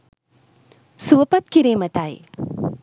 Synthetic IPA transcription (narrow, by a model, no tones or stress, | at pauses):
suʋɐpɐt̪̚kiɾeːmɐʈːaːj̰